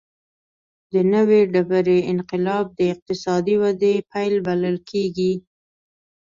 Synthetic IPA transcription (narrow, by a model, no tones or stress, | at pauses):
d̪ənəweɖabaɾeɪnqɪlɑb̚d̪əɪq̚t̪ɪsɑd̪iwad̪epajlbaləlkʰeɡi